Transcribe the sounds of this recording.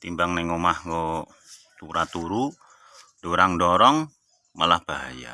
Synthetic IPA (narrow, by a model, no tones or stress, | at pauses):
t̪imbaŋnɛŋomahŋɔ | t̪uɾat̪uɾu | doɾaŋdɔɾɔŋ | malahb̥aɦa̰ja̰